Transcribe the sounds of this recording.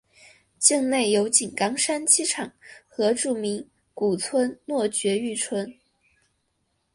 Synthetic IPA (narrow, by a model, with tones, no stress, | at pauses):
t͡ɕi˥˧ŋne˥˩ɪjo˧˥ʊt͡ɕi˨˩nkɑ˥ŋʂa˥nt͡ɕi˥ʈ͡ʂʰɑ˨˩˦ŋxɤ˧˥ʈ͡ʂu˥˩mi˧˥ŋ | ku˨˩t͡sʰwə˥nnwɔ˥˩t͡ɕɥɛ˧˥y˥˩t͡sʰwə˥n